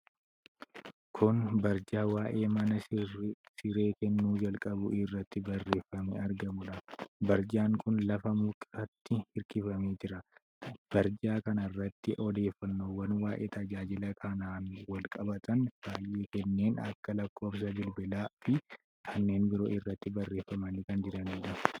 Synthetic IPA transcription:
kʰʊnbɐɾd͡ʒaːwaːʔe̞ːmɐnɐ | sɪɾe̞ːkɛnːuːd͡ʒɐlkʼɐbʊɪrːɐt̪ːɪbɐrːe̞ːfːɐmeɐɾɡɐmʊᶑɐbɐɾd͡ʒaːŋkʊnlɐfɐmʊkʼɐt̪ːɪhɪɾkɪfɐme̞ːd͡ʒɪɾɐ | b̥ɐɾd͡ʒaːkɐnɐrːɐt̪ːɪʔɔd̪e̞ːfːɐnːoːwɐnwaːʔḛːt̪ʰɐd͡ʒaːd͡ʒɪlɐkʰɐnaːnwɐlkʼɐbɐt̪ʰɐnb̥aːjʔeːkɛnːe̞ːnɐ̰kːɐlɐkːo̞ːfs̬ɐbɪlbɪlaːfɪ | kʰɐnːe̞ːnbɪɾo̞̰ːʔɪrːɐt̪ːɪbɐrːe̞ːfːɐmɐnɪkɐnd͡ʒɪɾɐniːᶑɐ

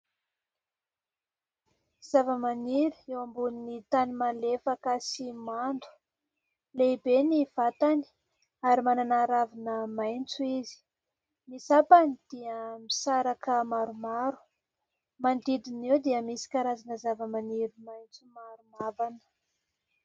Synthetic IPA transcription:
z̥avəmaniɾuewambuninit̪animalefakəsimand̪u̥ | leibeniv̥at̪ani̥ | aɾimananaɾavinəmajnt͡suizi̥ | misapanid̪̥iəmisaɾakəmaɾumaɾu̥ | mand̪id̪inewd̪iəmisi̥kaɾazanəzavəmaniɾumajnt͡sumaɾumavanə̥

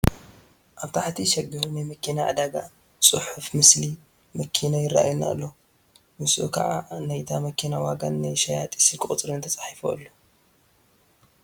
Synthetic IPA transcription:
ʔaβt̪ʰaħt̪ʰiʃɐɡihunajmɐkʰinaʔa̰d̪aɡa | t͡sʼɨħufmɨsli | mɐkʰinajɪrːa̰ʔa̰junːa̰lːo | mɨsʔṵkʰa̰ʕa̰najt̪ʰamɐkʰinawaɡɐnːajʃɐjat̪ʼi̥sɨlkʼɨχʼt͡sʼɾɨnt̪ʰɐt͡sʼḁħifo̰ʔɨ̰lːo

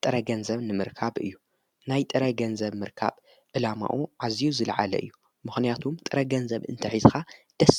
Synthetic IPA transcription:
t̪ʼɨɾɐɡɐnzɐβnɨmɨɾkʰaβʔɨ̰jːu | najt̪ʼɨɾɐɡɐnzɐβmɨɾkʰa̰β | ʕɨlama̰ʔuʕazijuzɨlʕa̰lɐ̰ʔɨ̰jːu | mɨxnijat̪ʰumt̪ʼɨɾɐɡɐnzɐβɨ̰nt̪ʰɐħizxad̪̥ɐs

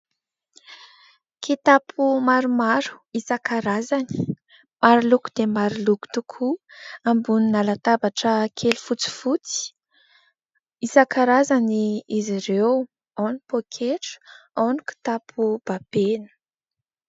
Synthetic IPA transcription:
kʰet̪apʰumaɾumaɾu̥isakaɾazani̥ | maɾiluku̥d̪̥emaɾiluku̥t̪ukʰuambuninalat̪abaʈ͡ʂəkʰelifut͡si̥fut͡si̥ | isakaɾazaniiziɾew | anipokʰeʈ͡ʂu̥ | aniku̥t̪apʰub̥ab̥enə̥

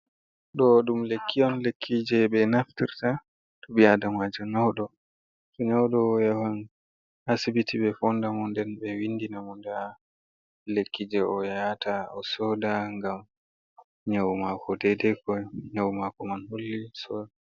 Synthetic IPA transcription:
ɗɔɗumlekʰːijɔnlekʰːid͡ʒɛɓɛnaftiɾta | tuɓiadamad͡ʒɛnawɗɔ | tɔɲawɗɔːjawan | asibitʰiɓɛfɔndamɔndɛnbɛwindinamɔnda | lekːid͡ʒɛɔjajatʰaɔsɔdaŋɡam | ɲawmakɔdɛdɛkɔɲawmakɔmanhulːisɔd

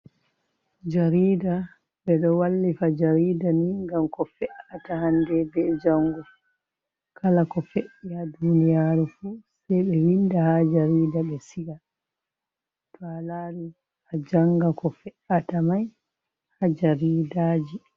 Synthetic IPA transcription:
d͡ʒaɾiːda | ɓɛɗɔwalːifad͡ʒaɾiːdaniŋɡamkɔfɛʔatahandɛbɛd͡ʒaŋɡɔ | kʰalakɔfeʔiadunijaːɾufuːsɛjɓɛwindahad͡ʒaɾiːdaɓɛsiɡa | talaːɾi | had͡ʒaŋɡakɔfɛʔatamaj | had͡ʒaɾiːdaːd͡ʒi

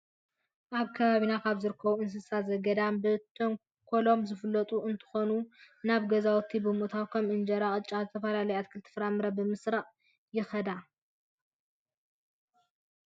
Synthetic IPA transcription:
ʔaβkʰɐβaβinakʰaβzɨɾɨkʰːɐβuɨns̬ɨsazɐɡɐd̪ambɨt̪ʰoŋ | kʰolo̞mzɨfɨlːɐt̪ʼuɨnt̪ʰɨ̥xonu | naβɡɐzawt̪ʰibɨmuʔt̪ʰawkʰɐmɨnd͡ʒɐɾaχʼɨt͡ʃʼːazɨt̪ʰɐfɐlalɐjat̪̚kʰɨlt̪ʰɨ̥fɾamɨɾabɨmɨsɾaʔʼ | jɪxɐd̪a

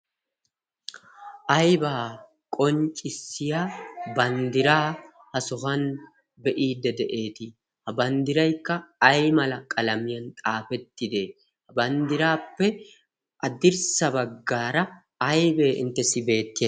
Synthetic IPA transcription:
ʔɐjbaː | kʼɔnt͡ʃʼːɪsɪjaːbɐnd̪ɪɾaː | hɐsʊhɐn | bɛʔiːd̪ːɛd̪ɛʔe̞ːt̪ɪ | hɐbɐnd̪ɪɾɐjkːɐɐjmɐlɐkʼɐlɐmɪjɐnt̪ʼaːfɛt̪ːɪd̪e | hɐbɐnd̪ɪɾaːpːɛ | ʔɐd̪ɪɾsɐbɐɡːaːɾɐː | ɐjbeːʔɪ̰nt̪ːɛsɪbe̞ːt̪ːɪ

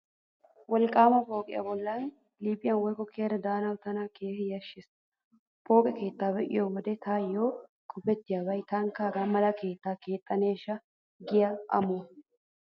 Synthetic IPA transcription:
wɔlkʼaːmɐpʼo̞ːkʼɪ̰jɐ̰bɔlːaːn | liːpʼɪjɐnwɔjkʼɔkʰeːɾɐd̪aːnɐwt̪ɐnakʰeːfɪjɐʃːɪs | pʼo̞ːkʼɛke̞ːt̪ːaːbɛʔɪ̰jowɔd̪ɛt̪ʰaːjːoː | kʼʊbɛt̪ːɪjabɐjt̪aŋkaːɡaːmɐlɐke̞ːt̪ːaːke̞ːt̪ʼːɐneːʃɐ | ɡɪjɐʔɐ̰mo

